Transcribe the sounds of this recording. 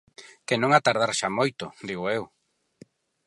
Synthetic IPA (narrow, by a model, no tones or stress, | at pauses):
kenõŋat̪aɾð̞aɾʃamojt̪ʊd̪iɣ̞oew